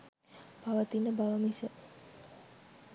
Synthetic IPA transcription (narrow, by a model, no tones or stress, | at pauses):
paʋət̪inəbaʋəmisə